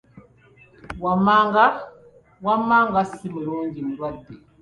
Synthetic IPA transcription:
wamaŋɡa | wamaŋɡasimeɾoɲɡiniɾwadi

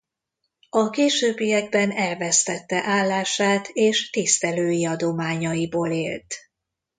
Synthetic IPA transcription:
ɒkeːʃøːbːijɛɡ̚bɛnɛlvɛst̪ɛt̪ːɛʔaːlːaːʃaːt̪eːʃt̪ist̪ɛløːjiɒd̪o̞maːɲɒjiboːleːlt̪

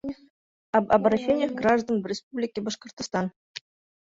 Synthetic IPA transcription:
ɐbɾɐɕːenʲjəxɡraʐd̪ənvʲɪspublʲikʲɪbɐʂkə̆rt̪st̪ɑn

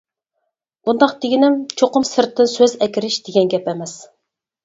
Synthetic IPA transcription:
b̥und̪ɑqt̪ʰɪɡʲinɪmt͡ʃʰoqʊmsɨɾt̪ʰːɨnsøzɛkʲiɾɪʃd̪̥eɡʲɛnɡʲɛpɛmɛs

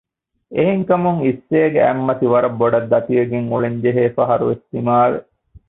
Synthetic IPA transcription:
eɦeŋkɐmuŋisːeːɡeæmːɐt̪iʋɐɾɐbːoɖɐd̪ːɐt̪iɐɡeŋuɭeɲd͡ʒeɦeːfɐɦɐɾṵʋesːimaːɾḛ

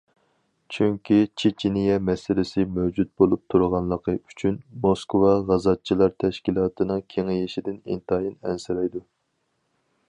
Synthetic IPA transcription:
t͡ʃʰyŋkʲit͡ʃʰit͡ʃʰinɪjɛmɛsɪlɪsɪmøwd͡ʒut̪̚bolˠup̚t̪ʰuɾʁɑnlˠəqʰəyt͡ʃʰynmoskʰwɑʁɑzɑt͡ʃʰːilˠɑɾt̪ʰɛʃkʲilˠɑːt̪ʰɨnɨŋkʲʰeŋɪjeʃid̪ɪnḭnt̪ɑjinɛnsɪɾɛjd̪u

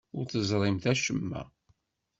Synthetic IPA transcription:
ʊɾθəzˤɾˤɪmθæʃəmːæ̰

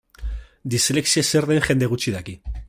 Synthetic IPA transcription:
d̪isleksieseɾðenʝe̞nd̪e̞ɣut͡ʃiðaki

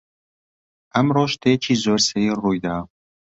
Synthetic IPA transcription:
amɾɔʃt̪ʰet͡ʃʰizɔɾseirujd̪a

